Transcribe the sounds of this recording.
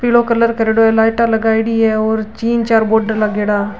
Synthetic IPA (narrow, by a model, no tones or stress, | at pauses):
piɽokɐləɾkəɾeːɽoɛlaːɪʈalɐɡaːɽiɛoːɾt͡ʃiːnt͡ʃaːɾboːɖəɾlaɡeːɽaː